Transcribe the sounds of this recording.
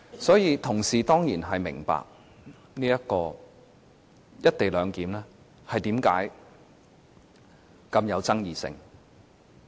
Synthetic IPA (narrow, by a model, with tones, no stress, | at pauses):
sɔː˨˥jiː˧t̪ʰʊ˨˩ŋsiː˨t̪ɔː˥ŋjiː˨˩nɦɐ˨jmɪ̰˨˩ŋpa̰ː˨k̚ | niː˥jɐ˥tkɔː˧ | jɐ˥t̚t̪e˨jlœː˨˧ŋkiː˨˥mlɛː˥ | hɐ˨jt̪iː˨˥mka̰ː˨˥j | kɐ˧mjɐ˨˧wt͡sɐ˥ŋjiː˨sɪ̰˧ŋ